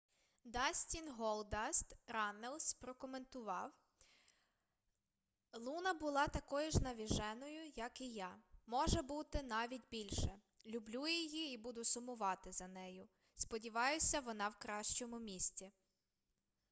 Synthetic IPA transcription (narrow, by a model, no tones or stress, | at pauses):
d̪ɑsʲtʲinɦɔlˠd̪ɑst̪ɾɑnelˠspɾɔkɔme̞nt̪ʊʋɑw | lˠunɐbʊlˠɑt̪ɐkɔjʊʒnɐʋʲiʒɛnɔjʊjɐkijɑmɔʒɛbut̪ɪnɑʋʲitʲbʲilʲʃɛ | lʲʊblʲujijiibud̪ʊsʊmʊʋɑt̪ɪzɐnɛjʊ | spɔdʲiʋɑjʊsʲɐʋɔnɑwkɾɑʃt͡ʃɔmʊmʲisʲt͡sʲi